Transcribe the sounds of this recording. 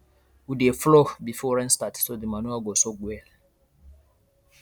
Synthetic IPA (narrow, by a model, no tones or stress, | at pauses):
wudeflobifɔɹɛ̃nstatsodimanuaɡosoɡwɛl